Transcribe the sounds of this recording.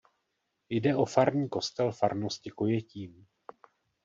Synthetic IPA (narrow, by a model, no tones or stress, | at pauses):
jdɛʔo̞faɾɲiːko̞st̪ɛlfaɾnoscɪko̞jɛciːm